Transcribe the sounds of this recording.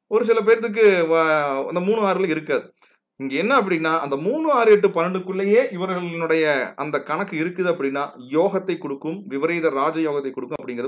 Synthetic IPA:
ɔɾɯs̬ɪlɐp̬eːɾt̪ɯk̬ːɯ | ɐ̰nd̪ɐmuːnɳːɯaːɾɯɣɐlɪɾɯkːaːðɯ | ɪŋɡeɛnːɐːp̬ːɐɽɪnːaːʔɐnd̪ɐmuːɳːɯaːɾɯɛʈːɯpɐnːɐɳɖɯkʊɭːɐjeːʔɪʋɐɾɣɐɭɪnɯɽɐjɐɐ̰nd̪ɐkɐɳɐkːɯɪɾɯkːɯðɯɐpːɐɽɪnːaː | joːɣɐt̪ːɐɪkːɔɽɯkːɯmʋɪʋɐɾɐɪðɐɾaːd͡ʒɐjoːɣɐt̪ːɐɪkːɔɽɯkːɯmɐpːɐɽɪŋɡɪɾɐð

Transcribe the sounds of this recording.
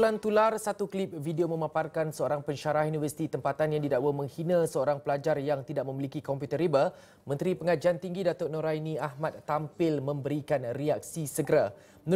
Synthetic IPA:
lant̪ularsat̪uklip̚vidiomə̃maparkansəoɾaŋpəɲʃaɾahjunivərsi̥t̪it̪əmpat̪anjaŋd̪idaʔwəmə̃ŋhinãsəoɾaŋpəlad͡ʒarjaŋt̪idaʔmə̃milikikɔmpjut̪əɾibə | mə̃nt̪ɾipəŋad͡ʒant̪iŋɡidat̪ʊʔnõɾajnĩaɦmat̪̚ːampɪlmə̃mbəɾikanriak̚sisəɡəɾa | ən

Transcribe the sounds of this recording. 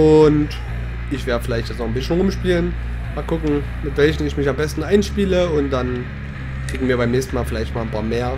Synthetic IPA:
ʔʊnt | ʔɪçv̥eːdəfɪlaɪçtjɛt͡snɔχn̩bɪsçn̩ʁʊmʃpiːlən | maːlkʰʊkŋ̩ | mɪtv̥ɛlçn̩ɪçmɪçambɛstn̩ʔaɪnʃpiːləʊnt̚d̥an | kʁ̥iːɡŋ̩viːɐbaɪmnɛːçstn̩maːlfɪlaɪçtmaːlnpʰaːɐmeːɐ

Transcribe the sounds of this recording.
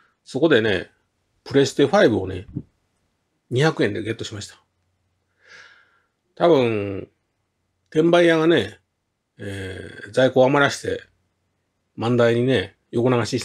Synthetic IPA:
so̞ko̞d̪e̞ne̞̰ | pɯ̟ɾe̞sɨ̥t̪eɯɸaibɯ̟o̞ne̞̰ | ɲ̟içakɯ̟ẽ̞nd̪e̞ɡe̞t̪ːo̞ɕimaɕi̥t̪ḁ | t̪abɯ̟̃ɴ | t̪ẽ̞mbaijaɡane̞ | zaiko̞ːamaɾaɕi̥t̪e̞̰ | mãnd̪aiɲ̟ine̞ | joko̞naɡaɕiɕ

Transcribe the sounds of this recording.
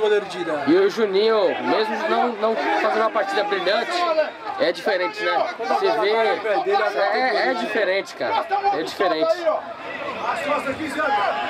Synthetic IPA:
mod̪eɾd͡ʒid̪ɐ̃ɪʊʒunĩʊmezmʊnɐ̃w̃nɐ̃w̃fazẽd̪ũmɐpaɾt͡ʃid̪ɐbɾiʎɐ̃t͡ʃɪɛd͡ʒifeɾẽt͡ʃɪnɛ̃seveped̪eɛɛd͡ʒifeɾẽt͡ʃɪ̥ka̰ɾɐɛd͡ʒifeɾẽt͡ʃɪ | asɔsɐki

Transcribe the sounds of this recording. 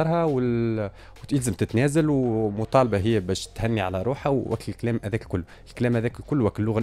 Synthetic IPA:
ɑɾˤhɑwɪ | wt̪ɪlzəmt̪ɪt̪næːzælwmʊt̪ˤɑːlbɑɦɪjːæbæːʃt̪hænːiʕalæɾˤuːħæwʔæ̰kt̪əlkælæːmʔæðæːkkʊlː | ɪlkælæːmhæðæːkkʊlːwæklːʊɣæ

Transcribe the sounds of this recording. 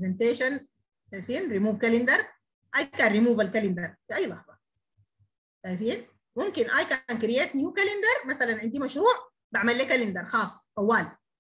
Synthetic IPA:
zent̪eːʃan | ʃajfiːnɾimuːvkalɪnd̪ɑɾˤ | ʔajkaːnɾimuːvalkalɪnd̪ɑɾˤfiʔajːlɑħzˤɑ | ʃajfiːn | mumkinʔajkaːnkɾijeːt̪njuːkalɪnd̪ɑɾˤmasalanʕɪnd̪iːmaʃɾuːʕ | baʕmalːiːkalɪnd̪ɑɾˤxɑːsˤːʔawːaːl

